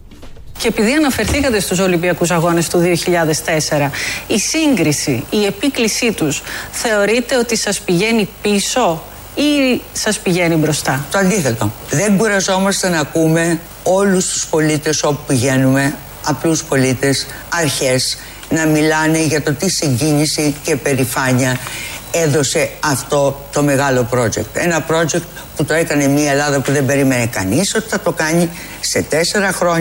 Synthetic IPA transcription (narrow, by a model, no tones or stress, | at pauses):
ce̞epiðiɐnɐfe̞ɾθikɐt̪e̞st̪uso̞limbiɐkus̬ɐɣo̞ne̞st̪uðio̞çiʎɐðe̞st̪e̞se̞ɾɐisiŋɡɾisiːe̞piklisit̪usθe̞o̞ɾit̪e̞o̞t̪isɐspiʝe̞nipiso̞ | isɐspiʝe̞nibɾo̞st̪ɐt̪oɐnd̪iθet̪oðe̞ŋɡuɾɐzo̞mɐst̪e̞nɐkume̞ | o̞lust̪u̥spo̞lit̪e̞so̞pupiʝe̞nume̞ | ɐpluspo̞lit̪e̞s | ɐɾçe̞s | nɐmilɐne̞ʝɐt̪o̞t̪isiɲɟiɲisice̞pe̞ɾifɐɲiɐeðo̞se̞ɐft̪o̞t̪o̞me̞ɣɐlo̞pɾo̞ʝe̞̰k̚t̪e̞nɐpɾo̞ʝe̞k̚t̪ | put̪o̞e̞kɐne̞mɲiɐelɐðɐpuðe̞mbe̞ɾimenekɐ̰niso̞t̪i̥θɐt̪o̞kɐɲi | se̞t̪e̞se̞ɾɐxɾo̞ɲ